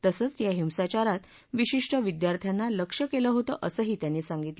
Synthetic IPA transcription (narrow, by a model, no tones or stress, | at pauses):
t̪əsəːt͡sjaɦimsat͡ɕaɾat̪ | ʋiɕiʂʈəʋid̪jaɾt̪ʰjanːaləkʂəkeləɦot̪əʔəsəɦiːt̪janːesaŋɡit̪ə